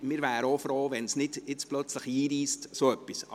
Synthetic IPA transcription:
mɪːɾvæːɾəofɾoːʋɛnsnɪd̥ɪt͡splœt͡sləχiːɾiːstsoœpːisɑ

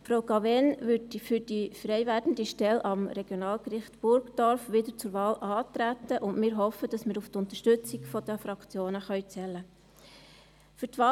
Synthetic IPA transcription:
fɾoʊɡɑvɛnʋʏdifyd̥ifɾɛɪjʋæːdn̩diʃtɛlʔɑmɾɛɡ̥jonɑːlkrɪχtb̥ʊɾkd̥ɔɾfʋɪdət͡sʊɾʋɑːlʔɑːt̪ɾæt̪ːəʔʊndmɪːɾɦɔfəd̥ɑsmɪːɾuftʊnt̪əʃtʏt͡siɡfɔd̥̪əfɾɑkt͡sjoːnəχœɥt͡sɛlːə | fʏtʋɑː

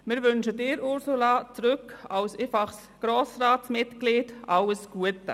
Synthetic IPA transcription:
mɪɾʋʏnʃədɪːɾʊɾsulɑt͡sɾʏkɑwsɪfɑχs | ɡ̥ɾoːsraːtsmɪtkliːd̥ʔɑləsɡ̥uətə

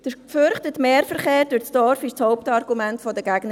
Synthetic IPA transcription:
d̥əfʏɾχtətmeːɾfəɾχeːɾdʊt͡sd̥ɔɾfɪʃt͡shoʊptɑrɡumɛntfɔdəɡæɡnə

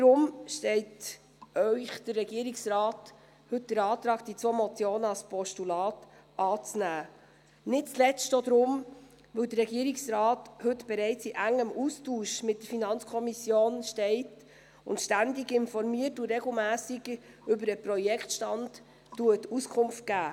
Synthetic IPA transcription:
d̥̪ɾʊmʃtɛɪt | œʏχd̥ərːɛɡiəɾɪksrɑːt | hɵt̚d̥əɾɑːt̪ɾɑːɡd̥it͡svoːmɔt͡sjoːnəɑlspʰɔʃtulɑːtɑːt͡snæː | nɪt̚t͡slɛstod̪ɾʊm | ʋɵwdəɾrɾɛɡiəɾɪksɾɑːthɵtb̥ɛɾɛɪt͡siʔæŋːəmustuːʃmɪtdəɾfinɑnt͡skʰɔmisjoːnʃtɛɪt | ʊ̰ntʃtændɪɡɪnfɔɾmiətuɾɛɡl̩mæːsɪɡə | ʏbəɾəpɾɔjɛkʰtʃtɑndː | uətuskʰʊmft̚ɡ̥æː

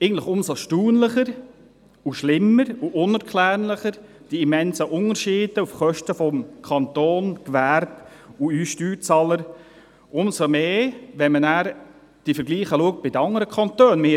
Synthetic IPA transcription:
ʔeɡən̩t̪ˡlɪχʊmsoʃtuːnləχəɾ | uʃlɪmːəɾuʔʊnəɾkʰlæːrnləχəɾ | d̥iimɛnsəʔʊnəɾʃɪːd̪̥əufχœʃtəfɔmkʰɑnt̪oːnkʋæːɾbuyʃtyːt͡sɑləɾ | ʔʊmsomeːʋɛnmənæːɾ | d̥ifəɾɡliːχəluək̚t̚b̥ɪdəɑŋəɾəkʰɑnt̪øːnmɪ

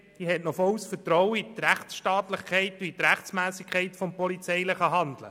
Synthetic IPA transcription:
d̥iɦɛtnɔfɔwsfətɾɔwəit̪ræχtsʃtɑːt̪lɪχkʰɛɪt̪uit̪ɾæχtt͡smæːsikʰχɛɪtfɔmpɔlit͡sɛɪjlɪχəɦɑnd̪lə̰

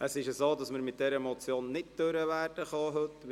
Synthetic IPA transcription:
əsɪʃəsoːdɑsməɾmɪt̚d̥ɛɾəmɔt͡sjoːnːɪtd̥øɾəʋæːrd̥əχɑɦɵtː

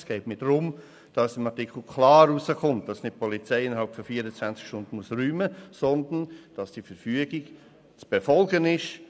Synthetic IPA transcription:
sɡ̥ɛɪtmiːd̥ɾʊm | d̥ɑssɪmɑtɪkl̩kʰlɑːɾusəkʊmt̚d̥ɑsnɪt̚pʰɔlit͡sɛɪɪnəɾhɦɑlˠpfɔfiːəɾət͡svænt͡skʃtʊnd̥ən̩muəsɾyːməsɔndənd̥ɑsd̥ifəɾfyəɡɪɡ | t͡sb̥ɛfɔlɡənɪʃ

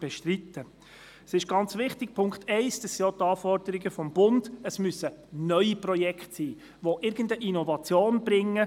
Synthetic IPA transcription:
b̥ɛʃtrit̪ə | sɪʃɡ̥ɑnt͡sʋɪχtɪk̚pʰʊŋkχtɛɪsd̥ɑsijotɑːfɔɾd̥əɾiɡəfɔmb̥ʊnd̥əsmysənœʏiprɔjɛkχtsiː | ʋoʔɪɾɡ̥əndəʔinɔvɑt͡sjoːnb̥ɾɪŋːə

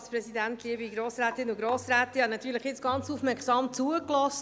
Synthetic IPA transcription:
spɾɛsidæntliəbiɡɾoːsɾæːt̪ɪnuɡɾoːsɾæːt̪ihɑnɑt̪yːɾləχjɪt͡sɡ̥ɑnt͡sufmɛɾksɑːmt͡suəklɔst

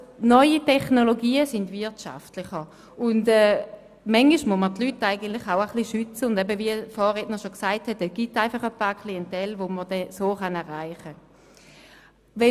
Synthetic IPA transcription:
nɔʏitʰɛχnoloɡiːəsɪndvɪɐtʃa̰ftlɪχə | ʊndɛː | mɛŋiʃmumətlytːaɪɡəntlɪχaʊəχliʃyt͡səʊndɛbəviəfɔːʁednəʃoksaɪthɛtɛsɡ̥itaɪfɑχəpaːɐkʰliɛntɛlʋomədɛsoːχanɛɐʁaɪχə | vɛ

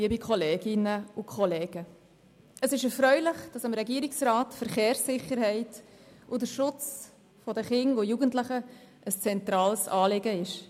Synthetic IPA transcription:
iəbikχɔleːɡɪnəʊkʰχɔleːɡ̥ə | əsɪʃɛɾfɾœʏlɪχd̥ɑsəmɾɛɡiəɾiksɾɑːtfəɾχeːɾsɪχəɾhɛɪt | ʊdəɾʃʊt͡s | fɔdəχɪŋʊjuɡəntləχə | ʔəst͡sɛntɾɑːlsɑːlɪɡəɪʃ

